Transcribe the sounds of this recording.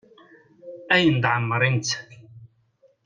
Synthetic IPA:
æjənd̪ʕəmːəɾˤint͡s̪

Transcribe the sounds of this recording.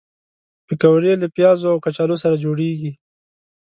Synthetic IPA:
pɪkawɾeləpjɑzoawkat͡ʃɑlosaɾad͡ʒoɽeɡi

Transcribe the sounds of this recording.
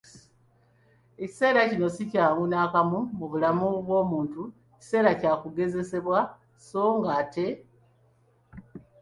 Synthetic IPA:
eci̥se̞ːɾacino̞sicaːŋɡunaːkamumuβulamuβwo̞ːmuːntueci̥se̞ːɾacaːkuɡe̞ze̞se̞βwa | so̞ːŋɡaːte̞

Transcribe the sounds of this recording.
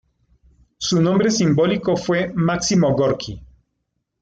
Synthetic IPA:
sunõmbɾesimbo̞likofwe̞maksimoɣoɾkʰi

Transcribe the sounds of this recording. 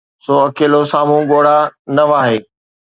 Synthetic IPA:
soːɐkeːlosaːmũɠoːɽ̤anɐʋaːɦeː

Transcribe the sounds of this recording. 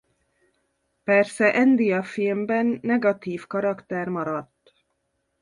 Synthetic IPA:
pɛrsɛʔɛnd̪ijɒfilmbɛnːɛɡɒt̪iːfkɒɾɒkt̪ɛrmɒɾɒt̪ː

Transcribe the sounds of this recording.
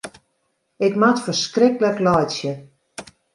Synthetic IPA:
ɪkmatfərskrɪkələklɔjtsjə

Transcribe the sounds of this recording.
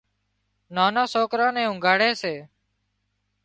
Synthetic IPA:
naːnãːsoːkɾãːnɛ̃ːʊ̃ŋɡaːɽeːseː

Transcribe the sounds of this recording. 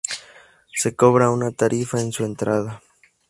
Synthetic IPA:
se̞koβɾaunat̪aɾifaensue̞nt̪ɾaða

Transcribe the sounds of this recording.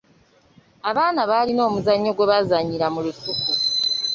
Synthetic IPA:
aβaːnaβaːlino̞ːmuzaɲːo̞ɡwe̞βazaɲiɾamulutufu

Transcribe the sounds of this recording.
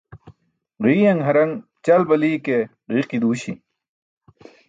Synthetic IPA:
ʁiːjɐŋɦɐɾɐŋ | t͡ɕɐlbɐliːke | ʁiːqid̪uːɕi

